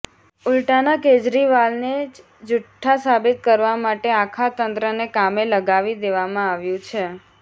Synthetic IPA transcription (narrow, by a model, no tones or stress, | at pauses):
ʊlʈanaked͡ʒɾiʋalne | d͡ʒʊʈʰːasabɪt̪kəɾʋamaʈeakʰat̪ənt̪ɾənekameləɡaʋid̪eʋamãaʋjũt͡ʃʰe